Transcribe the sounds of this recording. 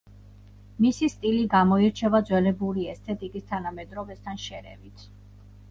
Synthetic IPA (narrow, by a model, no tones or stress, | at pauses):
misist̪ʼiliɡamɔiɾt͡ʃʰɛvad̪zwɛlɛbuɾiɛst̪ʰɛt̪ʼikʼist̪ʰanamɛd̪ɾɔbɛst̪ʰanʃɛɾɛ̰vit̪ʰ